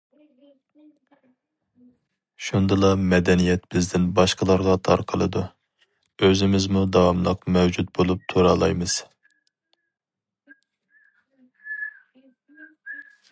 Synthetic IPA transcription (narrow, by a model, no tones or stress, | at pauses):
ʃund̪ɨlˠɑmɛd̪ɛnijɛt̪̚bɪzd̪ɪnbɑʃqʰəlˠɑɾʁɑt̪ʰɑɾqʰəlˠɨd̪u | øzɪmɪzmud̪ɑwɑmlˠəqmɛwd͡ʒut̪̚bolˠup̚t̪ʰuɾɑlˠɑjmɨz̥